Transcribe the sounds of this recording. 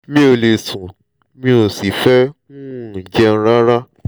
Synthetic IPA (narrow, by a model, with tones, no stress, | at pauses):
mĩ˦o˨le˨sũ˨ | mĩ˧˦o˨si˨fɛ˦nũ˦˨d͡ʒɛ˧n̩˦ɾã˦ɾa˦